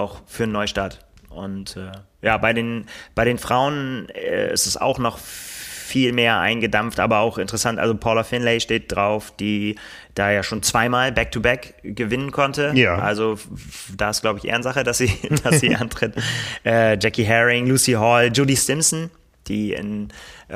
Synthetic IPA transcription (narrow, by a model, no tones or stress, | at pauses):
ʔaʊxfyːɐnːɔʏʃtaːɐt | ʔʊntɛːjaːbaɪdeːnb̥aɪɾeːnfʁ̥aʊənɛ̰ːʔɪ̰stɛsa̰ʊxnɔχfiːlmeːɐʔa̰ɪnɡədamftʔa̰ːbɐaʊxʔɪntəʁəsantʔa̰lzopʰɔlɐfɪnlɛɪʃteːt̚d̥ʁaʊfd̥iː | d̥aːjaːʃoːnt͡sv̥aɪmaːlbɛk̚tʰubɛk | ɡ̥əvɪnənkʰɔntəʔa̰lzod̥aːɪsɡ̥laʊbəɪçʔḛɐnzaχəd̥asz̥iːd̥assz̥iːʔantʁ̥ɪtʔɛːd͡ʒɛkiɦɛʁɪŋluːsiɦɔld͡ʒʊdisɪmsn̩ | d̥iːɪ̰n